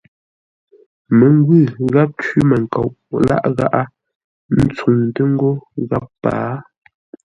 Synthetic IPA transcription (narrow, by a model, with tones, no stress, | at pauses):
me˨ŋ˦ɡwʉ˦˨ɣa˦p̚t͡ʃɥi˦me˨ŋ̩˨ka˨ʔla̰˦ʔɣa˦ʔa˦ | n̩˦t͡su˨ŋte˦ŋ̩˦ɡo˦ɣa˦pːa̰ː˨˦